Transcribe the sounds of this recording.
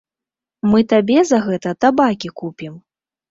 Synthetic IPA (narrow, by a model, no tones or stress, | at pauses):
mɨt̪abʲɛzɐɣɛt̪ɐt̪abakʲikupʲim